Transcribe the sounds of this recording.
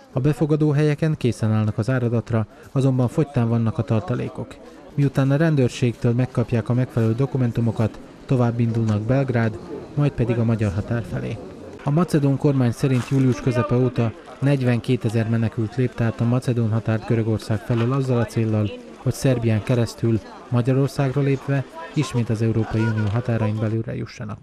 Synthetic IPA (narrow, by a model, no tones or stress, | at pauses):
ɒbɛfo̞ɡɒd̪oːɦɛjɛkɛŋkeːsɛnaːlnɒkɒzaːɾod̪ɒt̪rɒ | ɒzo̞mbɒɱfo̞ct̪aːɱvɒnːɒkɒt̪ɒrt̪ɒlḛːko̞k | miut̪aːnɒɾɛnd̪øːrʃeːkt̪øːlmɛkːɒpjaːkɒmɛkfɛlɛløːd̪o̞kumɛnt̪umo̞kɒt̪ː | o̞vaːbːind̪ulnɒɡ̚bɛlɡraːd̪mɒjt̪̚pɛd̪iɡɒmɒɟɒrɦɒt̪aːrfɛlḛː | ɒmɒt̪sɛd̪oŋko̞rmaːɲsɛɾint̪juːliuʃkø̞zɛpɛoːt̪ɒ | nɛɟʋɛŋkeːt̪ɛzɛrmɛnɛkylt̪leːpt̪ɛːt̪ɒmɒt̪sɛd̪oːnɦɒt̪aːrt̪ɡøɾø̞ɡo̞rsaːkfɛløːlɒzːɒlɒt̪seːlːɒl | ho̞csɛrbijaːŋkɛɾɛst̪yl | mɒɟɒɾo̞rsaːɡroleːpʋɛiʃmeːt̪ɒzɛuɾoːpɒjiuːnijoːɦɒt̪aːɾɒjimbɛlylːɛ̰jṵʃːɒnɒ̰k